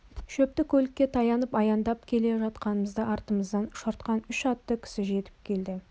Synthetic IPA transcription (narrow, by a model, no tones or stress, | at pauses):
ʃɵp̚t̪ɪkʲʰɵlɪkʲːe̞t̪ʰɑjɑnəpɑjɑnd̪ɑpkʲʰe̞le̞ʒɑt̪qɑnəməzd̪əʔɑɾt̪əməzd̪ɑnʃoɾt̪qɑnʏʃɑt̪ːəkʲʰɪ̥sɪʒe̞t̪ɪ̥p̚kʲʰe̞ld̪ɪ